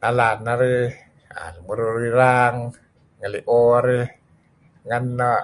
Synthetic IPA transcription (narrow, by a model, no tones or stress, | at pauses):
nalaːnaɾi | a̰nmuɾuɾiɾaŋ | ŋaliʔoaɾi | ŋanːɔ